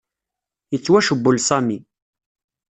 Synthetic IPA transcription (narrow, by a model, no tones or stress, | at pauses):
jət͡sːwæʃəbːʊlsæmi